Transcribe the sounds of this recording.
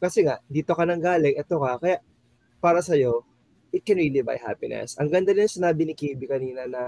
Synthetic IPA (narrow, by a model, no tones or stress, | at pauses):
kɐsɛŋaʔnd̪iːt̪o̞kɐnɐŋɡaːlɛkʔɛt̪o̞kɐkɐjaʔ | paːɾɐsɐjo̞ | ʔɪt̪̚kɛnɹiːliba̰jɦa̰pɪnɛ̰sʔɐŋɡɐnd̪anɪnɐŋsɪnaːbɪnɪkiːbɪkɐniːnɐnɐ